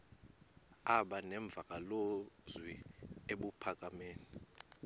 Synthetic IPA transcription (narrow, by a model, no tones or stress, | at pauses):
aɓanɛɱb̪vʱak̬ʼalozwieɓupʰak̬ʼameːni